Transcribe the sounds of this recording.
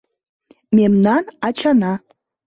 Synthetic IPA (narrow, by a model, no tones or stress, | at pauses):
mʲemnanat͡ʃʰana